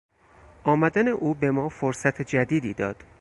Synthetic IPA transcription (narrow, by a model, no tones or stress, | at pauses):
ʔɒːmæd̪æne̞ʔuːbe̞mɒːfoɾsæt̪ʰed͡ʒæd̪iːd̪iːd̪ɒ̰ːd̪̥